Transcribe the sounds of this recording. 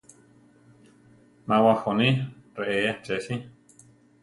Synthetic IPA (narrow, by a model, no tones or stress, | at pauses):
mawaxonireʔeat͡ʃesi